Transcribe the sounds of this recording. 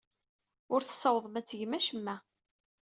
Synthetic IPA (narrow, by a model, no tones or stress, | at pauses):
ʊɾθə̥sːɑwðˤəmæt͡sːəʝmæʃəmːæ